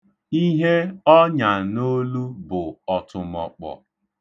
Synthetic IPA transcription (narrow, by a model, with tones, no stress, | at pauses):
i˦ɦe˦ɔ˦ɲa˨no˦lu˦bʊ˨ɔ˨tʊ˨mɔ̰˨k͡pɔ̰˨